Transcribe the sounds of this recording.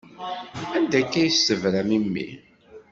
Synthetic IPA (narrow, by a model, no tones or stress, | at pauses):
ænd̪ækːæjsːəvɾæmimːḭ